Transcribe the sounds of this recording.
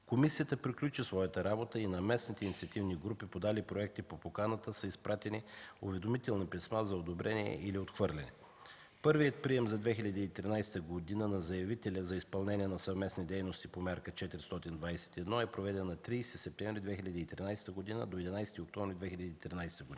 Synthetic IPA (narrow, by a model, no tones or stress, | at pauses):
komisijət̪əpɾiklʲut͡ʃisvɔjət̪əɾabot̪əinɐmɛsnit̪ɛinit̪siɐt̪ivniɡɾupipod̪alipɾoɛk̚t̪ipopokanət̪əsəispɾat̪ɛniuvɛd̪omit̪ɛlˠnɐpɛsmazɐod̪obɾʔɛniɛ̰ʔiliot̪xvɤɾlʲɛnɛ̰ | pɤɾvijət̪̚pɾiɛmzɐd̪vɛxʲilʲɐd̪iːt̪ɾinajsɛ̥t̪əɡod̪inənɐzɐjɐvit̪ɛlʲəzɐispɐlˠnɛniɛnɐsɐvmɛsnid̪ɛjnost̪ipomʲaɾkət͡ʃɛt̪ɾist̪ɔt̪ind̪vajsɛ̥t̪iɛd̪nɔɛpɾovɛd̪ɛnːɐt̪ɾijsisɛp̚t̪ɛ̃vɾid̪vɛxilʲəd̪iːt̪ɾinajsɛ̥t̪əɡod̪inə̰d̪oɛd̪inajsɛt̪iok̚t̪ɔɱvɾid̪vɛxilʲɐd̪iːt̪ɾinajst̪əɡod̪i